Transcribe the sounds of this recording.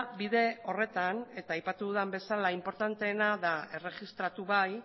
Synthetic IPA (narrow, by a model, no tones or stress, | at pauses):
biðe̞o̞re̞t̪ane̞t̪aːjpat̪uðuðambe̞salaimpo̞ɾt̪ant̪e̞ːnaðae̞re̞ɣist̪ɾat̪uβaj